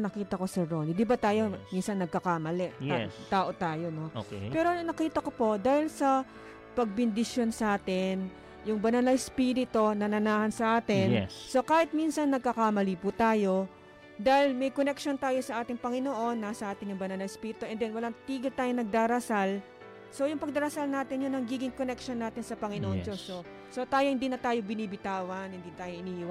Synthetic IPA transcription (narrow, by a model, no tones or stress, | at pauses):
nɐkiːt̪ɐko̞sɛːonid̪ibɐt̪aːjo̞minsɐnːɐɡ̚kɐkaːmɐlɛ̰t̪aːʔo̞t̪aːjo̞no̞okpɛːɾo̞nɐkiːt̪ɐko̞po̞ʔd̪aːhɪlsɐ | pɐɡ̚bɪnd̪ɪʃo̞nsɐʔaːt̪ɪn | jʊŋbɐnalajspiːɾɪt̪onɐnɐnaːhɐnsɐʔaːt̪ɪnɛ̰so̞kaːhɪt̪̚minsɐnːɐɡ̚kɐkaːmɐlipuːt̪aːjo̞ | d̪ahɪlmɛjkonɛkʃo̞nt̪aːjo̞sɐʔaːt̪ɪŋpɐŋɪnoʔo̞nːasɐʔaːt̪ɪnjʊŋbɐnalɐjspiːɾɪt̪oʔɛnd̪ɛnwɐlaŋt̪iːɡɪlt̪aːjonɐɡ̚d̪aːɾɐsal | so̞jʊŋpɐɡ̚d̪ɐɾɐsalnaːt̪ɪnjʊnːɐŋɡiːɡɪŋkonɛkʃonːaːt̪ɪnsɐpɐŋɪnoʔod͡ʒoso | so̞t̪aːjohɪnd̪iːnɐt̪aːjobɪniːbɪt̪aːwɐnhɪnd̪iːt̪aːjoʔɪniːhwa